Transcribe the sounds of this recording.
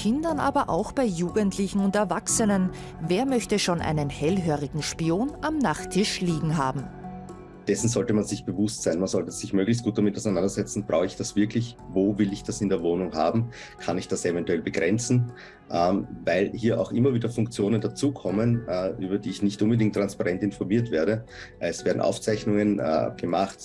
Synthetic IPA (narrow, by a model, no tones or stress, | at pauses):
kʰɪndɐnʔa̰ːbɐʔa̰ʊxb̥aɪjuːɡəntʰlɪçn̩ʊntɛɐvaksənən | veːɐmœçtəʃoːnʔa̰ɪnənhɛlɦøːʁɪɡŋ̩ʃpioːnʔamnaχtʰɪʃliːɡŋ̩ɦaːbm̩ | d̥ɛsn̩zɔltəmanzɪçb̥əvʊstz̥aɪnmanz̥ɔltəsɪçmøːɡlɪçst̚ɡ̥uːt̚d̥amɪtaʊsɛɪnandɐzɛt͡sn̩b̥ʁaʊɪçd̥asv̥ɪɐklɪçvoːvɪlɪçd̥asɪndeːɐvoːnʊŋɦa̰ːbm̩ | kʰanɪçd̥asɛvɛntuɛlbəɡ̥ʁɛnt͡sn̩ | ʔɛmvaɪlhiːɐʔa̰ʊxʔɪmɐviːdɐfʊŋkt͡sjoːnəndat͡suːkʰɔmənːʔyːbɐdiːɪçnɪçtʔʊnbədɪŋk̚tːʁ̥anspaʁɛntɪnfɔɐmiːɐtv̥eːɐɾə | ʔɛsv̥eːɐdn̩ʔa̰ʊft͡sæɪçnʊŋənɛ̰ɡ̥əmaχt